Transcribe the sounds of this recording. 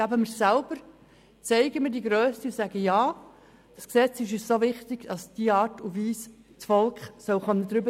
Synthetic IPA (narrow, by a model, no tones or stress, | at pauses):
abəməɾsælb̥əɾ | t͡sɛɪɡəmɪdiɡɾøːstiusæɡəjɑː | d̥ɑsksɛt͡sɪʃ̬yːssoʋɪχtɪɡ̥dɑsd̥iəɑːtufʋiːs | t͡sfɔlkχsœlχœnːəd̪ɾʏbə